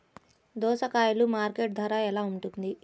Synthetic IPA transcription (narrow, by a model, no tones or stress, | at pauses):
d̪ɔːsɐkaːjulumaːɾkeːʈ̚d̪ʱɐɾaːɛlaːuɳʈund̪i